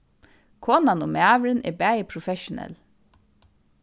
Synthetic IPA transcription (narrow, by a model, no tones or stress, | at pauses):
kʰɔːnanʊmæːʋɾɪnɛ̰bæːjɪpʰɾɔfɛʃʊnɛ̰l